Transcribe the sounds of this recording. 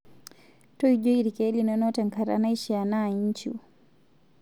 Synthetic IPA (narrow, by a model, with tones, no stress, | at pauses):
tɔ˦id͡ʒɔ˦i˦ɾi˨kɛ˦linɔnɔtɛ˨ŋka˨ɾa̰na˦i˦ʃɛa˨naiɲt͡ʃṵ